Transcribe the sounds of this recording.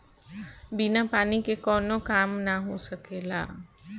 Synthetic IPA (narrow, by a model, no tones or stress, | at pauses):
bɪnapaːnikekɔːnokaːmnaɦosəkeːla̰ː